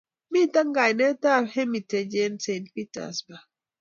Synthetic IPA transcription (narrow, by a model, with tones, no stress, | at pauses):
mi˦˨ta˦ŋɡa˨jnɛ˦ta˦˨hɛ˦mi˨te˨d͡ʒe˦nse˨nt̚pi˦ta̰˨sba˨